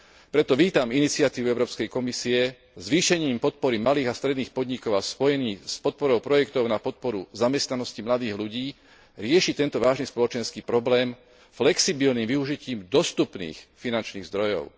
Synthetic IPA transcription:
pɾɛt̪ɔʋiːt̪aminit͡sɪat̪iːʋuɛʊɾɔːpskɛjkɔmisiɛ | zʋiːʃɛɲiːmpɔt̪̚pɔɾimaliːɣast̪ɾɛd̪niːxpɔd̪ɲikɔʊaspɔjɛniːspɔt̪̚pɔɾɔʊpɾɔjɛkt̪ɔʊnapɔt̪̚pɔɾṵzamɛst̪nanɔscimlad̪iːɣluɟiː | ɾɪɛʃit̪ɛnt̪ɔʋaːʒnispɔlɔt͡ʃɛnskiːpɾɔblɛːm | flɛksibilniːmʋiuʒiciːmd̪ɔst̪upnḭːxfinant͡ʃniːɣzd̪ɾɔjɔ̰ʊ

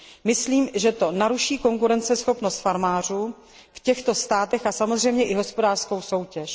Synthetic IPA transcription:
mɪsliːmʒɛt̪o̞naɾuʃiːko̞ŋkuɾɛnt͡sɛsxo̞pno̞st̪faɾmaːr̝uː | fcɛxt̪o̞st̪aːt̪ɛxasamozr̝ɛjmɲɛʔɪɦo̞spo̞daːr̥sko̞wso̞wcɛʃ

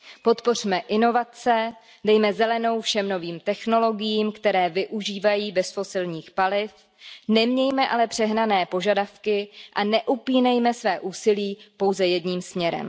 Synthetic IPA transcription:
po̞t̪po̞r̝̥mɛʔɪno̞vat͡sɛ | dɛjmɛzɛlɛno̞wfʃɛmno̞viːmt̪ɛxno̞lo̞ɡɪjiːmkt̪ɛɾɛːvɪʔuʒiːvajiːbɛsfo̞sɪlɲiːxpalɪf | nɛmɲɛjmɛʔalɛpr̝̥ɛɦnanɛːpo̞ʒadafkɪʔanɛʔupiːnɛjmɛsvɛːʔuːsɪliːpo̞wzɛjɛdɲiːmsmɲɛɾɛ̰m

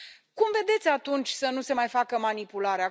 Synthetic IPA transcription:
kumve̞d̪e̞t̪sʲat̪unt͡ʃʲsənuse̞majfakəmanipulaɾea

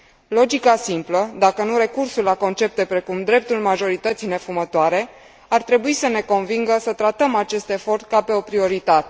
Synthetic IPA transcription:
lo̞d͡ʒikasimpləd̪akənuɾe̞kursulːako̞nt͡ʃe̞p̚t̪e̞pɾe̞kumd̪ɾe̞p̚t̪ulmaʒo̞ɾit̪ət̪sijne̞fumət̪oaɾe̞ | art̪ɾe̞buisəne̞ko̞nviŋɡəsət̪ɾat̪əmat͡ʃe̞st̪e̞fo̞rt̪̚kape̞o̞pɾio̞ɾit̪at̪e

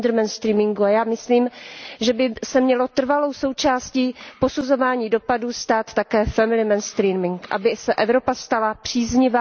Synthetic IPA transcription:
d̪ɾmɛnst̪ɾiːmɪŋɡuajaːmɪsliːmʒɛbɪsɛmɲɛlo̞t̪r̩valo̞wso̞wt͡ʃaːsciːpo̞suzo̞vaːɲiːdo̞paduːst̪aːt̪tːakɛːfɛmɪlɪmɛnst̪ɾiːmɪŋkʔa̰bɪsɛʔɛvɾo̞past̪alapr̝̥iːzɲɪvaː

